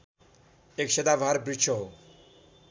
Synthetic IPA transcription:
ekʃed̪abʱaɾbɾit͡ʃʰo

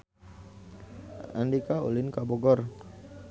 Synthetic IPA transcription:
ʔa̰ndikao̰linkabɔɡɔr

